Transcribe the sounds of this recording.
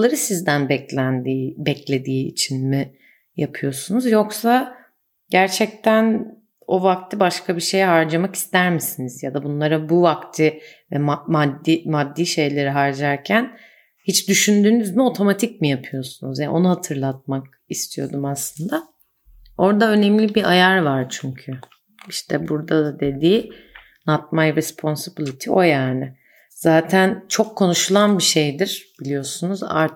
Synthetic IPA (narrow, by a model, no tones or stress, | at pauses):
lˠaɾɯsizd̪ænbɛlʲænd̪iːbɛclʲe̞d̪iːt͡ʃʰinmi | japʰɯjo̞sunuzjo̞ksa | ɟæɾt͡ʃʰɛc̚t̪ʰæn | o̞vak̚t̪ʰɯbaʃkʰabiʃe̞jɛɦaɾd͡ʒamaki̥st̪æɾmisinizjad̪abunlˠaɾabuvakt̪ʰɯ | vɛmamad̪ːimad̪ːiːʃe̞jlʲe̞ɾiɦaɾd͡ʒaɾcʰæn | hit͡ʃd̪yʃynd̪yːnyzmio̞t̪ʰo̞mat̪ʰic̚mijapʰɯjo̞sunuzjaʔo̞nuhat̪ʰɯɾlˠat̪̚mak̚ | ist̪ʰijo̞d̪umaslˠɯnd̪a | o̞ɾd̪aø̞nɛmlʲibiʔajaɾvaɾt͡ʃʰyɲcʰy | iʃt̪ʰɛbuɾd̪ad̪ad̪e̞d̪iː | nat̪̚majɾɛspʰo̞nsibilʲit̪ʰio̞jaːnɪ | z̥aːt̪ʰænt͡ʃʰo̞kʰːo̞nuʃulˠanbiʃe̞jd̪iɾ̥b̥ilʲijo̞sunuza̰ɾ